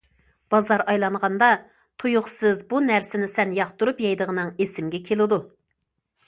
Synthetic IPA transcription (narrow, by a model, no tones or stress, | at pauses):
b̥ɑzɑɾɑjlˠɑɴʁɑnd̪ɑ | t̪ʰujuχsɨzbunæɾsɪnɪsɛnjɑχt̪uɾupjɑjd̪əʁənɨŋesɪmɡʲɛkʲʰelˠɪd̪u